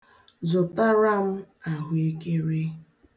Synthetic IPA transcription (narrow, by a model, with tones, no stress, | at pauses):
zʊ˨ta˦ɾa˦m̩˦ | a˨ɦe˦ke˦ɾe˦